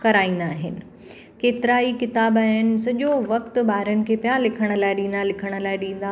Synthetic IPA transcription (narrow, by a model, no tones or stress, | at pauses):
kɐɾaːĩːn̆d̪aːɦɪnɪ̆ | keːt̪ɪɾaːikɪt̪aːbaːɦɪnɪ̆sɐʄoʋɐkt̪ʊɓaːɦɾənɪ̆kʰeːpijalɪkʰəɽ̃ə̆laːɪɗĩːn̆d̪alɪkʰəɽ̃ə̆laːɪɗĩːn̆d̪a